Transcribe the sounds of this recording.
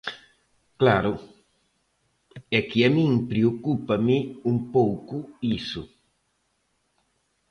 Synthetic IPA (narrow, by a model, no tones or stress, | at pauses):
klaɾʊ | ɛkɪamĩŋpɾeokupɐmɪumpowkʊisʊ